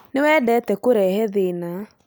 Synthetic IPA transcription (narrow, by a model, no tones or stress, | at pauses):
newɛːdɛtɛkoɾɛːhɛðena